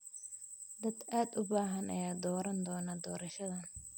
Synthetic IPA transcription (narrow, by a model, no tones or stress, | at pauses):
d̪ɐd̪aːd̪ʊbaːɦɐnʔɐ̰jaːd̪ɔːɾɐnd̪ɔːnɐd̪ɔːɾɐʃɐðɐn